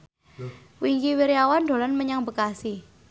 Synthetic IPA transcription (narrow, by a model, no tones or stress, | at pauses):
wiŋkiwiɾiawand̪o̤lanməɲaŋbəkasi